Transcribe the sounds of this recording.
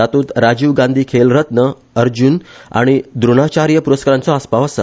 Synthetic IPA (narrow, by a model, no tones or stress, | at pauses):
at̪uːt̪ɾad͡ʑiʋɡãnd̪ʱiːkʰelɾət̪nə | əɾd͡ʑuna̰ɽ̃id̪ɾuɽ̃at͡ɕaɾjəpuɾəskaɾant͡sɔaspaʋəsə̰